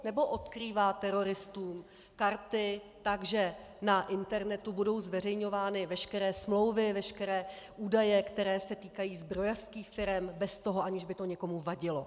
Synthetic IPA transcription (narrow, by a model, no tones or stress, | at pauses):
nɛbo̞ʔot̪kɾiːvaːt̪ɛɾo̞ɾɪst̪uːm | kaɾt̪ɪ | t̪aɡʒɛ | naʔɪnt̪ɛɾnɛt̪ubudo̞wzvɛr̝ɛjɲo̞vaːnɪvɛʃkɛɾɛːsmlo̞wvɪvɛʃkɛɾɛːʔuːdajɛkt̪ɛɾɛːsɛt̪iːkajiːzbɾo̞jafskiːxfɪɾɛmbɛst̪o̞ɦoʔaɲɪʒbɪt̪o̞ɲɛko̞muvaɟɪlo̞